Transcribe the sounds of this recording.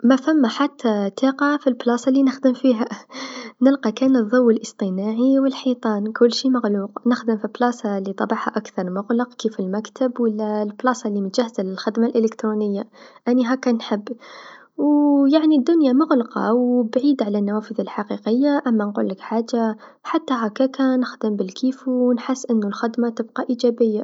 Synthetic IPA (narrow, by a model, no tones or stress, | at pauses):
mafamːaħat̪ʰːat̪ɑːqɑfilblɑːsˤɑlːinɪxd̪ɪmfiːɦa | nɪlqikaːnɨðˤːʊwːɪlʔɨst̪ˤɨnaːʕiwɪlħiːt̪ˤɑːnkʊlːʃiːmaɣluːqnɪxd̪ɪmfiblɑsˤɑlːit̪ˤɑbɑʕha̰ʔakθɑɾˤmʊɣlɑqkiːfɪlmakt̪ʰabwɪlːalblɑːsˤɑlːimʊt̪ʒ̥ahːzalɪlxɪd̪malʔɪlɪkt̪ɾunɪjːaʔanːiɦaːkːanħɪbː | wjaʕnid̪ːʊnjamʊɣlqɑ̰wbʕiːd̪ʕalanːawaːfɪðɪlħaqiːqɪjːaʔamːanqṵːlːɪkħaːd͡ʒaħat̪ːaɦakːakanɪxd̪ɪmbɪlkʰiːfunħɪsːʔɪnːʊlxɪd̪mat̪ɪbqɑʔiːd͡ʒaːbɪjːa